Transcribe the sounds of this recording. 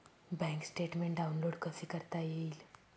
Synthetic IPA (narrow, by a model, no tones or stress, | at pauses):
bɛ̃ŋksʈeʈmẽɳʈ̚ɖaunloɽkəsikəɾt̪ajel